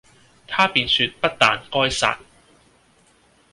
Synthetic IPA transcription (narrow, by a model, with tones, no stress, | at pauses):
t̪ʰaː˥piː˧nsy˧t̚pɐ˥t̚t̪aː˨nkɔː˥jsa̰ː˧t̚